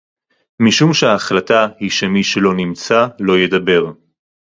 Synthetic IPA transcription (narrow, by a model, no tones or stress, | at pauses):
miʃumʃeaːχlatahiʃemiʃelo̞nimt͡salo̞jed̪abe̞ʁ